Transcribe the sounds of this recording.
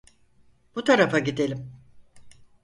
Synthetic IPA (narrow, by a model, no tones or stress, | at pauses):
b̥ut̪ʰaɾafaɟid̪e̞lʲim